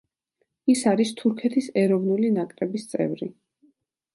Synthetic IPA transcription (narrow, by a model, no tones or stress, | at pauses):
isaɾist̪ʰuɾkʰɛt̪ʰisɛɾɔvnulinakʼɾɛbist̪sʼɛ̰vɾi